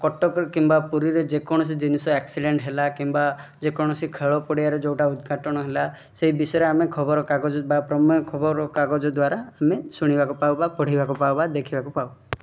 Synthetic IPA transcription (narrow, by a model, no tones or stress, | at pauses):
kɔʈɔkɔɾkimbapuɾiɾed͡ʒekɔɽ̃ɔs̬id͡ʒinisɔeksiɖeɳʈɦelakimbad͡ʒekɔɽ̃ɔsikʰeɭɔpɔɽiaɾed͡ʒowʈaud̪ɡʱaʈɔɽ̃ɔɦela | seɦibisɔɔɾeamekʰɔbɔɾɔkaɡɔd͡ʒɔbapɾɔmɔɔkʰɔbɔɾɔkaɡɔd͡ʒɔd̪waɾaːmesuɽ̃ibakupawbapɔɽ̤ibakupawbad̪ekʰibakupaw